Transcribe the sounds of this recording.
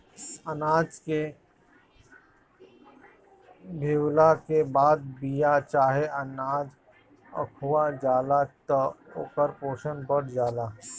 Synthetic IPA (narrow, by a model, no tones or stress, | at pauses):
ənaːd͡ʒke | bʱeːwlakebaːd̪̚bijat͡ʃaːɦeənaːd͡ʒ | ə̰kʰuwad͡ʒaːlat̪ɔo̰ːkəɾpoːʃənbəɽd͡ʒaːlaː